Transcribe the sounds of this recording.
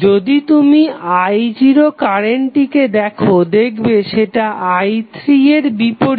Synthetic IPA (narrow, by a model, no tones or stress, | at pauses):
d͡ʑod̪it̪umiajd͡ʑiɾokaɾeɳʈiked̪ɛkʰod̪ekʰbeʃeʈaʔajt̪ɾieɾbipoɾ